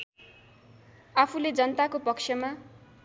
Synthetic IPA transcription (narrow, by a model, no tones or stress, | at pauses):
apʰuled͡zʌnʌt̪akopʌksʰjʌma